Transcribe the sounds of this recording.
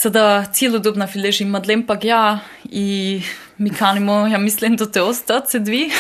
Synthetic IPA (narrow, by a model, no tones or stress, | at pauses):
sad̪at̪sʲjelod̪obnafileʒimad̪lempaɡja | i | mikʰanimojamislimd̪at̪ɛost̪at̪sɛd̪ʋi